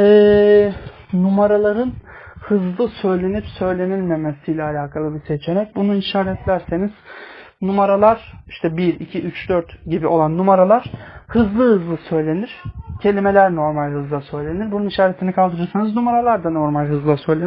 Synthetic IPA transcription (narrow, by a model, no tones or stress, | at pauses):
ɛː | numaɾalˠaɾɯnhɯzlˠɯsø̞jlʲe̞nipsø̞jlʲe̞nilʲme̞mesijlʲɛalʲaːkʰalˠɯbise̞t͡ʃʰe̞ɾɛc̚bunuinʃaːɾɛt̪lʲæɾse̞niz̥ | numaɾalˠaɾ̥i̥ʃt̪ʰɛbiɾicʰiʔyt͡ʃd̪øɾt̪ɟibio̞lˠanːumaɾalˠaɾ̥hɯzlˠɯhɯzlˠɯsø̞jlʲe̞niɾ̥cʰe̞lʲimelʲæɾno̞ɾmalʲhɯzlˠasø̞jlʲe̞niɾbununiʃaːɾet̪ʰinikʰalˠd̪ɯɾɯɾsanɯznumaɾalˠaɾd̪ano̞ɾmalʲɦɯzlˠasø̞jlʲen